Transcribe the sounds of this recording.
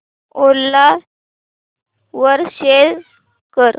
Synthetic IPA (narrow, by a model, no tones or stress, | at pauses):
olːa | ʋəɾɕel | kəɾ